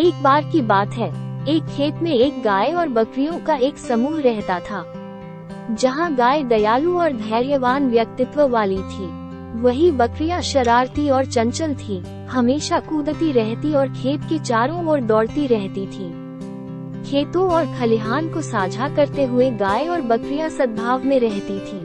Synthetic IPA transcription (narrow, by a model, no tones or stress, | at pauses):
eːk̚baːɾkibaːt̪ɦɛːeːkʰːeːt̪mẽeːkɡaːeɔːɾbɐkɾijõkaeːksɐmuːɦɾɛɦt̪at̪ʰaː | d͡ʒɐɦãɡaːed̪ɐjaːlũɔːɾd̪ʱɛːɾjəʋaːnʋjɐk̚t̪ɪt̪ʋəʋaːlit̪ʰiː | ʋɐɦibɐkɾijãʃɐɾaːɾt̪iɔːɾt͡ʃɐ̃nt͡ʃəlt̪ʰi | hɐmeːʃakuːd̪ət̪iɾɛɦt̪iɔːɾkʰeːt̪ket͡ʃaːɾõɔːɾd̪ɔːɽt̪iɾɛɦt̪it̪ʰiː | kʰeːt̪õɔːɾkʰɐlɪɦaːnkosaːd͡ʒʱakɐɾt̪eɦʊeɡaːeɔːɾbɐkɾijãsɐd̪̚bʱaːʋmẽɾɛɦt̪it̪ʰiː